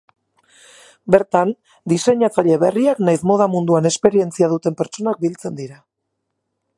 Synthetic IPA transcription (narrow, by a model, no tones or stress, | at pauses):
be̞ɾt̪an | d̪ise̞ɲat͡saʎe̞βe̞riaknajsmo̞ð̞amund̪uane̞spe̞ɾie̞nt͡siað̞ut̪e̞mpe̞ɾt͡so̞nak̚bilt͡se̞nd̪iɾa